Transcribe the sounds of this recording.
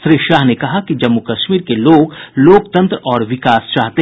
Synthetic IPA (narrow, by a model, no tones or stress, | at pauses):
ʃɾiʃaːɦnekɐɦakid͡ʒɐmːukɐʃmiːɾkeloːɡloːkt̪ɐ̃nt̪ɾɔːɾʋɪkaːst͡ʃaːɦt̪eɦ